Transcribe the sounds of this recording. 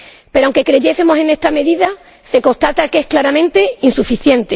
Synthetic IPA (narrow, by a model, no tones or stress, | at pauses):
pe̞ɾoawŋke̞kɾe̞ʝe̞semo̞se̞ne̞st̪ɾame̞ðiða | se̞ko̞ht̪at̪ake̞hklaɾamẽnt̪e̞insufiθje̞nt̪e